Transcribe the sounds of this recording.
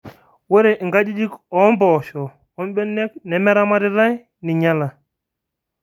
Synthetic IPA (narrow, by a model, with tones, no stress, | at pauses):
we˦ɾe˨ʔŋɡa˦d͡ʒi˦d͡ʒi˦kɔ˨˦mbɔ˨ʃɔ˨ | ɔ˦nɓɛ˦nːɛ˦knɛ˨mɛ˦ɾa˦ma˦ɾi˦ɾa˦j | ni˨ɲa˦la˨